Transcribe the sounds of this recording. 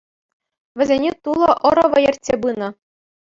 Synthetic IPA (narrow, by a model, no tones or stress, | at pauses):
ʋʲɘ̆zʲenʲet̪ulˠɤ̆ʔɤ̆ɾɤ̆ʋɤ̆jerʲtʲːebɯnɤ̆